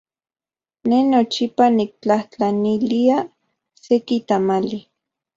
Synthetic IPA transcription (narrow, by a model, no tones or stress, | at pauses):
nenot͡ʃipanik̚t͡ɬaht͡ɬanilia | sekit̪amali